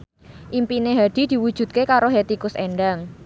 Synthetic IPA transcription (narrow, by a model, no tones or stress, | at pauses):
ʔimpineɦad̪̥i̤d̪̥i̤wud̥ʒ̥ṳt̪̚kekaɾoɦet̪ikʊsḛɳɖaŋ